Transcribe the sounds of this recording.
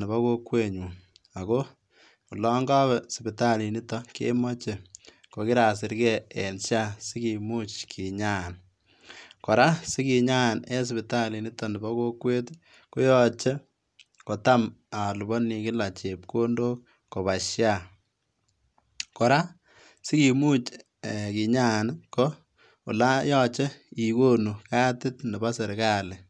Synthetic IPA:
nɪ˨ba˦ko˦kwe˦ɲu˨ | a˨ko˦ | ku˨lɔ˦ŋɡa˦βɛ˨si˨bi˨ta˦li˨ni˦tɔ˦kḛ˦mɔ˦t͡ʃe˨ | ko˨kɪ˦ɾaː˨s̬ɪ˦ɾkɛ˦e˨nʃja˦si˦ki˨mu˦t͡ʃkʰi˨ɲa˦˨n | kɔ˨ɾa˦si˦ki˨ɲa˦˨ne˦s̬i˨bi˨ta˦li˨ni˦tɔ˨ni˨ba˦ko˦kwe˦t | ko˦jɔt͡ʃe˦ | ko˨ta˦ma˨lu˨bɔ˦ni˨kɪ˦la˨t͡ʃe˨p̚ko˦ndoː˦k̚ | ko˨βa˨ʃja˦˨ | kɔ˨ɾa˦ | sɪ˦ki˨mu˦t͡ʃː | ki˨ɲa˦nkɔ˦ | ʊ̰˨la˦jɔ˦t͡ʃe˦i˨ko˦nu˨kaː˦tɪ˦tnɪ˨ba˦se˨ɾkaː˦lɪ˨

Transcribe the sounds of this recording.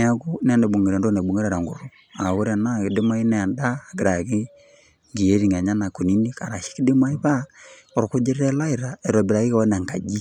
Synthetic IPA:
n˦a˦ku˦n˦˨nde˨bu˨ŋ˨ɾe˨ndo˦ne˨bu˨ŋe˦ɾa˨ɾa˨ŋɡṵ˨ɾu˦ | a˨wo˦ɾa˨na˦ki˨de˦ma˦i˦nɛ˨a˨ndaː˦˨ɡi˨ɾa˨ki˦ | ŋɡi˨e˦ɾi˨ŋa˨ɲa˦na˨ku˨ni˦ni˦ka˨ɾa˨ʃi̥˦ki˦de˦ma˦i˦βa˦ | ɔ˨ɾo˨ku˦d͡ʒe˦ɾɛ˦la˦i˨ɾa˨ɛ˨ɾɔ˨bi˨ɾa˨ki˦ka˨wɔ˦na˨ŋka̰˨d͡ʒi˦

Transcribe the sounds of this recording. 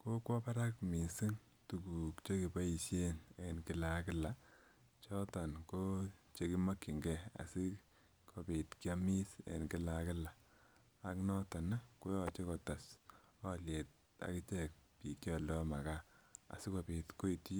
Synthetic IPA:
ko˦kwɔ˦pa˦ɾa˦kmi˨si˦ŋ | tu˨ku˨kt͡ʃe˦ki˨pa˦i˨sje˦ne˨nkɪ˦la˨kɪ˦la˨ | t͡ʃɔ˦tɔ˨nko˦t͡ʃe˦ki˦ma˦kːi˨ŋɡɛ˦a̰˨si˦ | kʰo˨pi˨tkja˦mi˦sḛ˨nkɪ˦la˨kɪ˦la˨ | a˨knɔ˦tɔ˨na˦ko˦jɔ˨t͡ʃe˦kɔ˨ta˨sɔ˦lje˨t̚ | a̰˨kɪ˦t͡ʃɛ˦k̚pi˨kjɔ˨ldɔ˦ma˨ka˦a̰˨sɪ˦ko˨pi˨tko˦i˨ti˦

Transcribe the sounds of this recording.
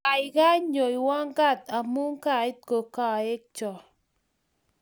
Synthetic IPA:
a˨jɡa˦ɲo˨jwa˦ŋɡa˦˨t̪a˨mu˦ŋka˨ɪ˦t̪̚ko˨ka˦˨e˦k̚t͡ʃɔ˨

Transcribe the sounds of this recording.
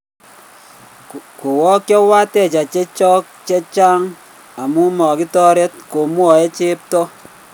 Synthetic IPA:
ku˨wɔ˦kjɔ˦wa˦tɛ˦˨t͡ʃa˨t͡ʃe˦t͡ʃɔ˦k̚t͡ʃe˦t͡ʃa˦ŋ | a˨mu˦mɔ˨ki˦tɔ˦ɾe˦tko˨mwɔ˨e˦t͡ʃe˦p̚tɔ˦

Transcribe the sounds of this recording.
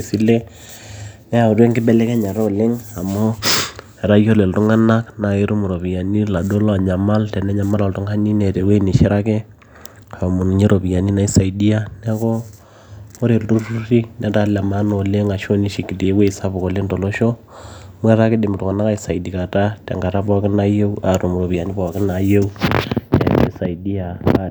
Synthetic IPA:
si˦le˦ | nɛ˦a˨u˨dɛ˦ŋkɪ˦bɛ˦lɛ˦kɛ˦ɲa˨ɾɔ˦˨le˦ŋa˨mo˦ | ɛ˨ɾa˦jo˦le˨ltu˦ŋa˦na˦kna˨i˦ɾu˦mu˨ɾo˨pi˨ja˨ni˦la˨do˦la˨ɲa˨ma˦ltɛ˨nɛ˦ɲa˨ma˦la˨ltu˦ŋa˦ni˦nɛ˨tɛ˨we˦ni˨ʃi˦ɾa˦ke˦ | a˨mu˨n˨ɲi˦ɾo˨pi˨ja˨ni˦na˨i˦sa˨i˨di˦a˦nɛ˦kɔ˦ | o˦ɾe˨ldu˦ɾu˦ɾi˦nɛ˦ta˨˦la˨ma˦no˨le˦ŋa˨ʃo˦ni˦ʃi˨ki˨li˨e˦we˦i˨sa˦bʊ˨ko˨le˦ndɔ˨lo˦ʃo˦ | mwɛ˦ɾa˦ke˦de˨m˨tu˨ka˨na˦ka˦i˦sa˨i˨di˨ka˨ta˦tɛ̰˨ŋɡa˨ɾa˦bɔ˦kɪ˦na˦je˦a˨ɾu˨mu˨ɾo˨pi˨ja˨ni˦bɔ˨a˨kɪ˦na˨je˦u˦ɛ̰˨kḛ˦sa˨i˨di˦a˨a˦

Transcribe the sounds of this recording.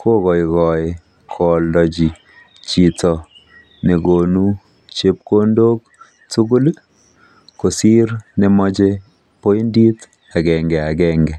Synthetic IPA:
kʰo˦kɔ˨ikɔj | kʰɔ˨ldɔ˨d͡ʒi˨ | t͡ʃi˨tɔ˨ | ne˨ɡo˨nu˦ | t͡ʃe˦p̚ko˦ndo˦k̚ | tu˦ɡu˦l | ko˨si˦ɾne˨mɔt͡ʃe˦ | po˦i˦ndi˦t | a˨ɡɛ˨ŋɡɛ˨a˨ɡɛŋɡɛ˨

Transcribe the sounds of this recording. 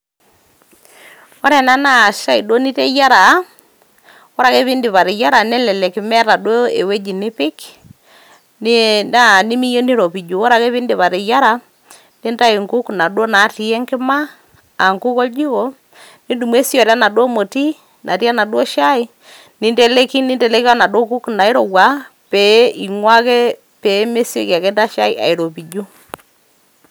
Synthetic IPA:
ɔ˦ɾɛ˨na˦na˦˨ʃa˦i˨dɔ˦ni˦tɛ˦ja˦ɾa˨˦ | ɔ˦ɾa˨ke˦βi˦ndɪ˨βa˨ɾɪ˨ja˦ɾa˨nɛ˦lɛ˨lɛ˨kɪ˨mɛ˦ɾa˨dwo˦e˨we˦d͡ʒi˨nɪ˦pɪ˦k | nna˦˨nɪ˦mi˦jo˦ni˦ɾɔ˨pi˨d͡ʒu˨ɔ˦ɾa˨ke˦βɪ˦ndɪ˨βa˨ɾɪ˨ja˦ɾa˨ | ne˦nda˦i˨ŋɡu˦kna˨dwɔ˦na˨˦ti˨ɛ˦ŋkɪ˦maː˦˨ | ŋku˦kɔ˦d͡ʒi˦ɣo˦˨ | ni˦du˨mwe˦sjɔ˨ɾa˦na˨dwɔ˦mo˨ti˦ | nʔa˨ti˦a˦na˨dwɔ˦ʃa˦i˦ | ni˦nde˦le˦ki˦ni˦ndɛ˨le˦ki˦a˦na˨do˦ɡu˦kna˨i˦ɾɔ˨ɣwa˨˦ | pe˨˦i˨ŋwa˦ke˦ | pe˨˦me˦se˨ka˨kɛ˦nda˦ʃa˦i˦ʔa̰˨i˨ɾo˨pi˨d͡ʒu˦

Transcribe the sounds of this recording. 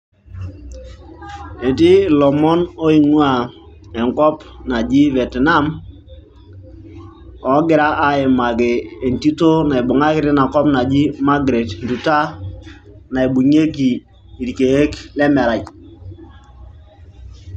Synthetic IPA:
e˨ti˦lɔ˨mɔ˦no˦i˨ŋu˦a˨ɛ˨ŋkɔ˦pna˨d͡ʒi˦vɛ˨tna˦m | ɔ˨˦ɡɪ˦ɾa˦ʔa˨˦e˨ma˨keː˨nti˦to˦na˨i˨bu˨ŋa˦kɪ˦ɾi˦na˨kɔ˦pna˨d͡ʒi˦ma˦ɡɾe˨tndu˨ta˦ | na˨i˨bu˨ɲe˦kiː˨ | ɾi˨ke˨he˦klɛ˦mɛ˨ɾa˨j

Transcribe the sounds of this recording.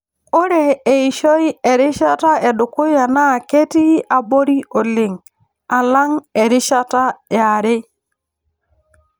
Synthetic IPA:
o˦ɾe˨e˨i˨ʃɔ˦i˦e˨ɾɪ˦ʃa˦ta˦ɛ˨dʊ˨kʊ˦ja˨na˦˨ke˦ti˦a˨bo˦ɾi˦o˨lɪ˨ŋ | a˨la˦ŋe˨ɾɪ˦ʃa˦ta˦ja˨ɾɪ˦

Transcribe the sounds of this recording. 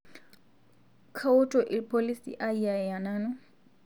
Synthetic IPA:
kʰa˦ʊ˦tʼɔ˨ʔɪpʰʼoli˦sḭʔa˦ia˨ja˨naː˦nɔ˦

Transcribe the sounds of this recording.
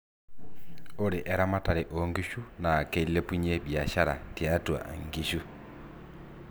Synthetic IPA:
o˦ɾi˨ʔɛ˨ɾa˦ma˦ta˨ɾiʔɔŋɡi˦ʃu˦naː˨ke˦le˦pu˦ɲe˦bja˨ʃa˦ɾa˨tjatwa̰˨ŋɡi˨ʃu˦

